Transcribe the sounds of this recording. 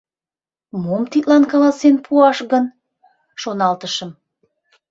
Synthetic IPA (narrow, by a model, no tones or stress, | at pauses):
momt̪it̪lɑnkɑlɑsenpʰuɑʃɣən | ʃonɑlt̪əʃəm